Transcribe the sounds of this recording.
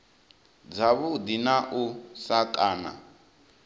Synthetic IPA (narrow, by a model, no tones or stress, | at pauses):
d͡zaβud̪inaʔusakʼaːna̰